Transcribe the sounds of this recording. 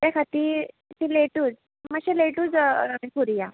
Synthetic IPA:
t̪jakʰat̪iː | t̪ileʈuːd͡z | maɕileʈuːd͡zaĩkuɾija

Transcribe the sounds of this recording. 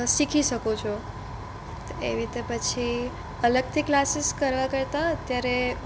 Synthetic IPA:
sikʰiʃəkot͡ʃʰo | t̪oeɾit̪epət͡ʃʰi | ələɡ̚t̪ʰiklasiskəɾʋakəɾt̪aət̪jaɾe

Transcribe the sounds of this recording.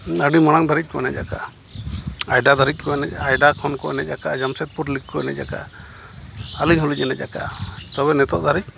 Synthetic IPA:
əɖimaɽ̃aŋd̪ʱaɾic̚ˀkɔnɛd͡ʒaka̰ | ajɖad̪ʱaɾitc̚kɔɛnɛajɖakʰɔnkɔʔɛnɛd͡ʒakaʔd͡ʒamsɛt̪̚puɾlik̚kɔɛ̰nɛ̰d͡ʒaka̰ʔ | əliɲɦɔlid͡ʒɛnɛaka̰t̪ɔβɛnɛt̪ɔʔd̪ʱaɾic̪̚ˀ

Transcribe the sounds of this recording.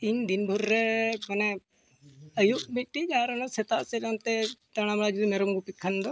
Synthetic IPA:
iɲd̪inbʱuɾːɛmɐnɛ | əjuʔmit̪̚ʈid͡ʒaɾɔnɔsɛt̪aʔsɛlant̪ɛt̪aɽ̃amaɭad͡ʒud̪imɛɾɔmɡupikʰːand̪ɔ

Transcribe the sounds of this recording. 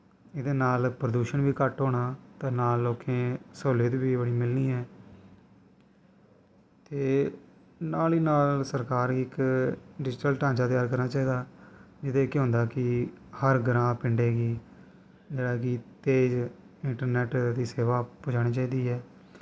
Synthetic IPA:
ɪd̪eːnaːlpɾəd̪uːʃənʋiːkəʈɦoːɽ̃aːt̪ãːnaːlːoːkʰẽːsoːleːt̪ːbiːbəɽiːmɪlniːɛː | t̪eː | naːliːnaːlsəɾkaːɾɪkɖɪd͡ʒʈəlʈãːɲt͡ʃaːt̪ɪjaːɾk̬əɾnaːt͡ʃaːiːd̪aːd͡ʒɪd̪eːkeɦʊ̃nd̪aːkɪ | həɾɡɾãːpɪɳɖeːɡiː | d͡ʒeːɽaːkɪt̪eːd͡ʒ | ɪɳʈəɾnɛːʈd̪iːseːʋaːpod͡ʒaːɽ̃iːt͡ʃaːiːd̪iːɦɛː

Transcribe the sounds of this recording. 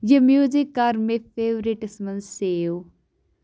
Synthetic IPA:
jəmjuːzɪkːaɾmepʰeːʋɾiʈsmənseːo

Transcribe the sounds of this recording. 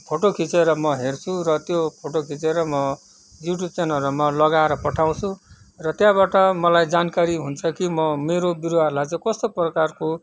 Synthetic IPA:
pʰoʈokʰit͡seɾʌmʌɦert͡sʰuɾʌt̪jopʰoʈokʰit͡seɾʌmʌ | juʈjub̚t͡senʌɾumʌlʌɡaeɾʌpʌʈʰaw̃t͡sʰũ | rʌt̪jãbaʈʌmʌlajd͡zankaɾiɦunt͡sʰʌkimʌmeɾobiɾoɦarlaɡt͡sʰekʌst̪oprʌkarko

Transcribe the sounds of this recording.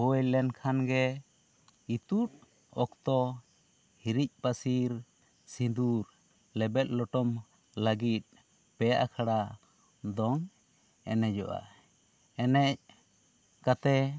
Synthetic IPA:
hɔjlɛnkʰanɡɛ | it̪ut̪̚ | ɔkt̪ɔ | hiɾic̚ˀpasiɾ | sid̪uɾ | lɛbɛt̪̚ˀlɔʈɔm | laɡit̪̚ | pɛja̰ʔkʰaɽa | d̪ɔŋ | ɛ̰nɛd͡ʒɔ̰ʔa̰ | ɛnɛc̚ | kat̪ɛ

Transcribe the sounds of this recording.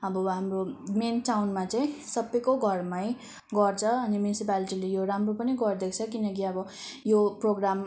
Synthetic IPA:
ʌbʌɦamromenʈawnmat͡saĩsʌbʌjkoɡʱʌrmaj | ɡʌrt͡sʰʌʌnimjunisipaliʈilejoɾamropʌniɡʌrd̪ekʰt͡sʰʌkinʌkiʌbʌjoproɡɾam

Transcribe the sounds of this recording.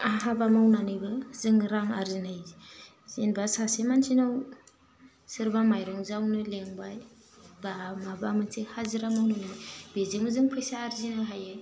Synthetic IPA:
aɦabamawnanɯjbɯzɯŋɾaŋaɾzinaj | z̥enbasasemansʰinɯw | sɯɾbamajɾɔŋzawnɯleŋbaj | bamabamɯnsʰehazɯɾamawnɯnɯb̥ezɯŋɯzɯŋpʰɯjsaːɾzinɯɦajɯ

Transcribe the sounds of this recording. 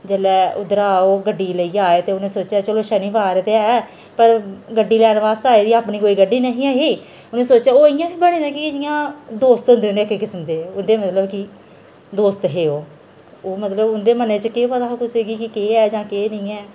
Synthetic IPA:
d͡ʒəːlɛːʊd̪əɾaːoːɡəɖiːləiːaːeːt̪eːʊnẽːsoːt͡ʃɛːt͡ʃəloːʃəniːʋaːɾt̪eɛː | pəɾɡəɖːiːlɛːnʋaːst̪aːeːd̪iːaːpɳiːkoːiːɡəɖiːnəɦĩːɛːɦeː | ʊnẽːsoːt͡ʃɛːoːɪjãːbiːbəɽ̃ẽːd̪ẽːkɪɪjãːd̪oːst̪ɦʊ̃nd̪eonekekɪsəmd̪eːʊnd̪eːmət̪ləbkɪ | d̪oːst̪ɦeːoː | oːmət̪ləbʊnd̪eːməneːt͡ʃəkeːʋəd̪aːkʊseːɡiːkɪkeːɛːd͡ʒãːkeːnəĩːɛː

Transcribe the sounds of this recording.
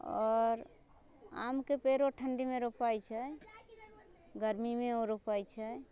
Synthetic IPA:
ɔːɾ | a̰mkepeɾoʈʰəɳɖimeɾopajt͡ʃʰɛ | ɡəɾmimeoɾopajt͡ʃʰɛ

